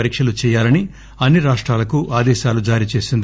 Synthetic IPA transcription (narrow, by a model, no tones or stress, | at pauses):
ɐɾiːkʂɐlut͡ʃɛːjaːlɐni | ɐnːiɾaːʂʈɾaːlɐkuʔaːd̪ɛːʃaːlud͡ʒaːɾit͡ʃe̞ːsind̪i